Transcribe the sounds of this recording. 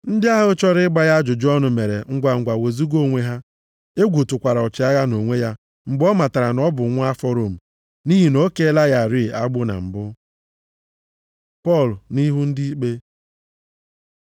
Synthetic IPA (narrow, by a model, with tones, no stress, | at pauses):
n̩˦dɪ˦a˦ɦʊ˦ʊ˦t͡ʃɔ˦ɾɪ˦ɪ˦ɡ͡ba˦ja˦d͡ʒʊ˨d͡ʒɔ˦nʊ˨me˨ɾe˨ŋ̩˦ɡʷa˨ŋ̩˨ɡʷa˨we˨zi˦ɡo˦˨ŋʷe˦ɦa˦ | e˦ɡʷu˨tʊ˨kʷa˨ɾa˨ɔ˨t͡ʃɪ˨a˦ɣa˦no˨ŋʷe˦ja˦ | ŋ͡m̩˨ɡ͡bɔ˦ma˨ta˨ɾa˨nɔ˦bʊ˨˦ŋʷ˦a˦fɔ˦ɾo˨m̩˨ | ni˦ɦi˨no˦ke˦la˦ja˦˨ɾi˦˨ʔa˦ɡ͡bʊ˦na̰˨m̩˨bʊ˦ | pɔ˦˨lʊ˨ni˦ɦu˦n̩˦dɪ˦i˦k͡pe˦